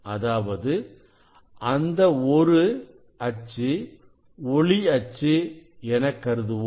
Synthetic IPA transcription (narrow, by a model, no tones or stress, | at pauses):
ɐðaːʋɐðɯ | ʔɐnd̪ɐɔɾɯ | ɐt͡ʃːɯ | ɔɭiɐt͡ʃːɯɛnɐkːɐɾɯðɯʋo